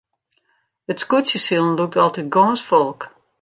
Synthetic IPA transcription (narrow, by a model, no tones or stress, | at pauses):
ətskutsjəsilˠən̩luk̚tɔlˠtɛt̚ɡɔːnsfɔlˠk